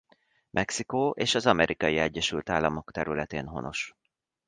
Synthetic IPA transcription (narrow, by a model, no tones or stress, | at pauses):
mʔɛksikoːʔeːʃɒzɒmɛɾʔikɒjiɛɟːɛʃylt̪aːlːɒmo̞kt̪ɛɾylɛt̪eːnɦo̞no̞̰ʃ